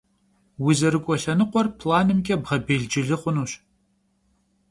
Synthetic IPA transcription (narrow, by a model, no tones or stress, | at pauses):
wizɐɾɨkʷʼɔɬɐnɨqʷɔrpʰlaːnɨmkʲʼɛbʁɐbeːɮd͡ʒɪɮɨχʷʊnuːɕ